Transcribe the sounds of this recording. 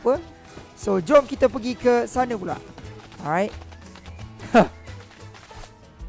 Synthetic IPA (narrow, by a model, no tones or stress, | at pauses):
pə | sod͡ʒɔmkit̪əpəɡikəsanəpula̰ʔɔɹajt̚